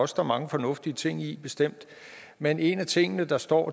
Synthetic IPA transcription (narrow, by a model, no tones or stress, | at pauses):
ɒ̽sd̥ɐmɑ̈ŋəfɒ̽nɔ̽fd̥iət͡sʰe̝ŋ̰ib̥e̝sd̥em̰d̥ | mene̝næt͡sʰe̝ŋ̰ənəd̥ɑ̈sd̥ɒ̰ː